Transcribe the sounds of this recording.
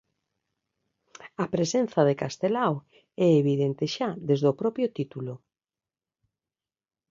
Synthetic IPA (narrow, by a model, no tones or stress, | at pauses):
apɾesenθɐð̞ekast̪elaw | ɛeβiðent̪eʃad̪ezðopɾɔpɾjʊt̪it̪ulʊ